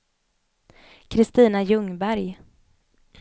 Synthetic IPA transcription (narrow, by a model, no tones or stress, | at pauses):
kʰɾɪst̪iːnajɵŋbæɾj